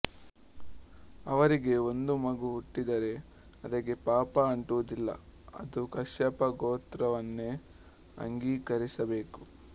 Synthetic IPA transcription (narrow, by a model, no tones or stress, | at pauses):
ɐʋɐɾiɡe̞o̞nd̪umɐɡuɦuʈːid̪ɐɾe̞ | ɐd̪ɐɡe̞paːpɐːɳʈuʋud̪ilːɐ̰ɐ̰d̪ukɐʃjɐpɐɡoːt̪ɾɐʋɐnːe̞ | ɐ̰ŋɡiːkɐɾisɐbe̞ːku̥